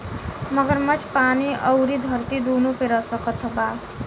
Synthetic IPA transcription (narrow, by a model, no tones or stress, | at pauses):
mʌɡʌɾmʌt͡ʃʰpaniʔʌwɾid̪ʱʌrt̪id̪unupeɾʌsʌkʌt̪ʰʌba